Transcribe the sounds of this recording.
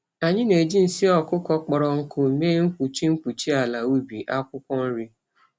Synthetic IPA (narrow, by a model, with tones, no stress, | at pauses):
a˨ɲɪ˦ne˨d͡ʒi˦n̩˨si˦ɔ˨kʊ˦kɔ˦k͡pɔ˨ɾɔ˨ŋ̩˦kʊ˦˨meː˦ŋ̩˦k͡pu˨t͡ʃi˦ŋ̩˦k͡pu˨t͡ʃi˦a˨la˨u˦bi˨ʔa˦kʷʊ˦kʷɔ˦n̩˦ɾi˦